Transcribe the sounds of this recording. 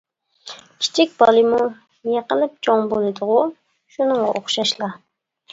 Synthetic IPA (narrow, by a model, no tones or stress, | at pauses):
kʲʰi̥t͡ʃʰik̚ʲb̥ɑlˠɨmu | jeqəlˠɨp̚t͡ʃʰoŋbolˠɨd̪ʊʁʊ | ʃunɨŋʁɑʔoχʃɑʃlˠɑ